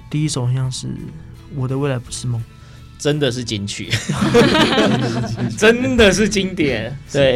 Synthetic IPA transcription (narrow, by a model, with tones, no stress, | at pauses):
t̪i˥˧i˦˥ʂo˨˩ʊɕjɑ˥˧ŋʂɻ̩˥˩ | wɔ˨˩d̪ə˦we˥˩ɪla˨˧˥ɪpu̥˧˥ʂɻ̩˥˩mo˥˨˩ŋ | ʈ͡ʂə˦nd̪ə˨ʂ̬ɻ̩˥˩t͡ɕi˥nt͡ɕʰy̰˨˦ | ʈ͡ʂə˦nd̪ə˨ʂ̬ɻ̩˥˩t͡ɕi˦˥nt̪jɛ˨˩˦ne˥˩